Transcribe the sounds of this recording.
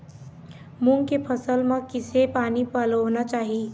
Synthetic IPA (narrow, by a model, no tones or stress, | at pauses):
muŋɡkepʰəsəlmãkɪsepaːnipaləʋnat͡ʃaːɦiː